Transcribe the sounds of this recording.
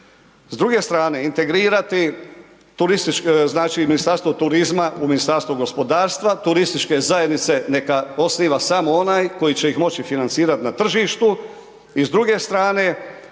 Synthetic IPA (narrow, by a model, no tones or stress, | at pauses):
zd̪ɾuɡe̞st̪ɾaːne̞int̪e̞ɡɾiːɾat̪i | t̪uɾist̪it͡ʃkznaːt͡ʃiminist̪aɾst̪ʋot̪uɾizmauminist̪aɾst̪ʋuɡo̞spo̞d̪aːɾst̪ʋat̪uɾist̪it͡ʃke̞zajed̪nit̪se̞ne̞kao̞sniːʋasamoo̞naːjko̞jit͡ɕe̞jixmo̞t͡ɕifinant̪siːɾat̪nat̪r̩ʒiːʃt̪u | izd̪ɾuɡe̞st̪ɾaːne̞